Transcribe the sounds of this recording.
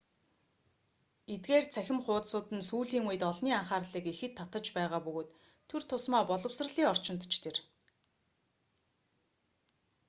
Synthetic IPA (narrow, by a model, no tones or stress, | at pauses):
et̪̚ɡeːrt͡sʰæxʲɪ̆mχʊːt̪sʊːt̪ɘ̆nsuːɮiːŋujɘ̆t̪ɔɮniːaɴχaːrɮiːkexɘ̆t̪ʰːat̪ə̆t͡ɕpæːʁaːpɵɣoːt̪ʰː | ɵr̥t̪ʰʊsmɔːpɔɮɞ̆wsrə̆ɮiːɔr̥t͡ɕɪ̆nt̪t͡ɕt̪ʰer